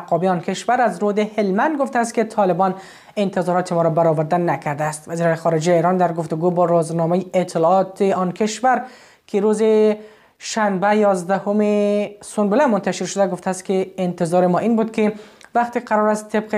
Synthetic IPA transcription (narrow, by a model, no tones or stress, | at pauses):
aqɒbiɒnkʰeʃvaɾazɾod̪ehelmand̪̚ɡoft̪aːst̪ket̪ʰɒlɪbɒn | ɪnt̪ɪzɒɾɔt̪ʰemɒɾɔbaɾɒvaɾd̪anakʰaɾd̪aːst̪vaziɾɔnexɒɾed͡ʒajiɾɒnd̪aɾɡoft̪ʊɡubɒɾuznɒmajeet̪ʰːɪlɒɒt̪eɒnkʰɪʃvaɾ | kʰɪɾoze | ʃanbajɒzd̪ahʊmesʊnbɪlamʊnt̪aʃɪɾʃʊd̪aɡoft̪aːst̪̚keːnt̪ɪzɒɾɪmɒʔinbud̪kʰɪvaq̚t̪iqʰaɾɔɾast̪ʰːeb̚qe